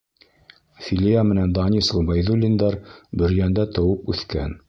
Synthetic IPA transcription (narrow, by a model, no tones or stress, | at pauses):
fʲilʲijamɘ̆nænd̪ɑnʲislˠɤbɑjðulʲind̪ɑɾbɵ̆ɾjænd̪æt̪ɤ̆wɤpʉθkæn